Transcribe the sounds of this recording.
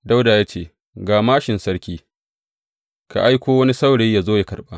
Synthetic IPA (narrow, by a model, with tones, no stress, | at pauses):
da˦wda˨jaː˦t͡ʃeː˦˨ | ɡaː˨maː˦ʃɪ˨nsɐ˦ɽkʲiː˦ | ka̰˨ʔa˦jkʷoː˦wɐ˦ni˦sa˦wɽeː˦jaː˨zoː˦ja˨kɐ˨ɽɓa̰ː˦